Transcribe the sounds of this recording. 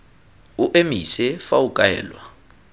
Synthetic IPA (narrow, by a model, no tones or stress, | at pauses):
uʔemisɛfaukʼɛ̰ːlwa